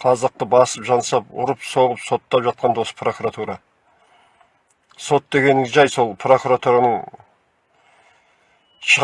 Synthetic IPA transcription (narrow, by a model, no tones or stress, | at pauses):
qʰɑzɑq̚t̪əbɑsəpʒɑnsɑpʊ̰ɾəpso̞ʁəpso̞t̪ːɑpʒɑt̪̚qɑnd̪wo̞sə̥pro̞kuɾat̪uɾɑ | so̞t̪̚d̪e̞ɡʲe̞nʒɑjso̞lˠpʰro̞kuɾat̪uɾanəɴ | ʃəʁ